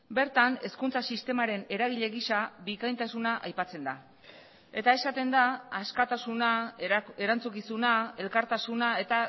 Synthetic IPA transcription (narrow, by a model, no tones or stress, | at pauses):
be̞ɾt̪ane̞skunt͡sasist̪e̞maɾe̞ne̞ɾaɣ̞iʎe̞ɣisabikajnt̪asunaʔajpat͡se̞nd̪a | e̞t̪ae̞sat̪e̞nd̪aːskat̪asunae̞ɾant͡sukisunae̞lkaɾt̪asunae̞t̪a